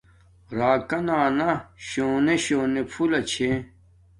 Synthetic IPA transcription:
ɾaːkɐnaːnaɕoːneɕoːnepʰulɐt͡ɕʰe

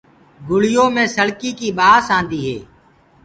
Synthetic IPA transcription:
ɡʊɽɪjõːmẽːsəɽkiːkiːɓaːsãːnd̪iːɦḛː

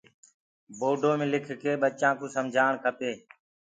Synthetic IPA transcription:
boːɖʱoːmẽːlɪkʰkeːɓət͡ʃãːkõːsəmd͡ʒʱaːɳkʰəpeː

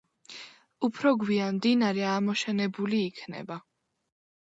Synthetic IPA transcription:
upʰɾɔɡwianmd̪inaɾɛamɔʃɛnɛbuliːkʰnɛ̰ba

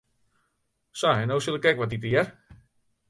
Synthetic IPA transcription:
sɔɛnowsulˠɪkɛkʋɔtitəjɛr

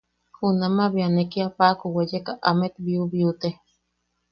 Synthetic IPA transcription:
hunamaβianekiapakuwejekaʔamet̪biuβiut̪e

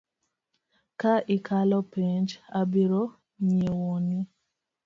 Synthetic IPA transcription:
kaʔɪkʰalɔpiɲd͡ʒabiɾo | miewɔni

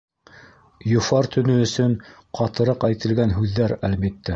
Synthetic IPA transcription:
jŏfɑɾt̪ɵ̆nɵɵ̆sɵɴ | qʰɑt̪ɤ̆ɾɤqæjt̪ɘ̆lɡænɦʉðːæɾælbit̪ːæ

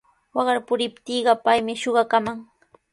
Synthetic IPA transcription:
wɑɢɑɾpʊɾɪpt̪iːɢɑpajmɪʃoɢɑkamaŋ

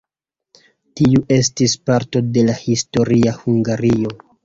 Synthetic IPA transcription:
tiuʔe̞stispaɾto̞de̞lahisto̞ɾiahuŋɡaɾio̞

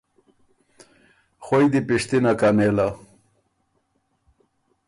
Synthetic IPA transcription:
xojd̪ipiʂt̪inakanela

